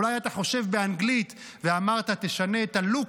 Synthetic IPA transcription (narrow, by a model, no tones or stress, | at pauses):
lajat̪aχo̞ʃe̞vbe̞anɡlit̪ | veamaʁt̪at̪e̞ʃane̞ːt̪alu